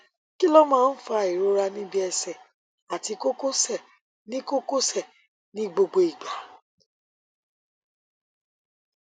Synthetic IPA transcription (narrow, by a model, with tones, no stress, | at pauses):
ki˦lɔ˦mãː˦n̩˦fa˧i˨ɾo˦ɾa˧nĩ˦bi˦ɛ˧sɛ˨ | a˨ti˧ko˦ko˦sɛ˦˨ | nĩ˦ko˦ko˦sɛ˦˨ | nĩ˦ɡ͡bo˧ɡ͡bo˧i˨ɡ͡ba˨˦